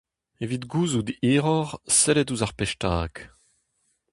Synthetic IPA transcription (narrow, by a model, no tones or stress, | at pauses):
evitɡuːzud̪eːʁɔʁsɛlɛtuzaʁpɛʃtaːk